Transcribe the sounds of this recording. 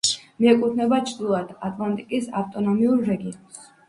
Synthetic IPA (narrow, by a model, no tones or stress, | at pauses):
miɛkʼut̪ʰnɛbat͡ʃʰɾd̪ilˠad̪̥at̪ʼlˠant̪ʼikʼisaft̪ʼɔnɔmiuɾɾɛɡiɔns